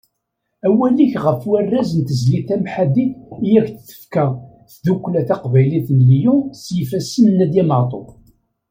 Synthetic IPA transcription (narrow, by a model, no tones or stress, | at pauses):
æwæliçʁəfwærːæzənt̪əzliθæmħad̪iθjæçθθə̥fkæ | θðukʷːlæθɑqvæjliθnljusjifæsənːæd̪jæməʁt̪ˤo̰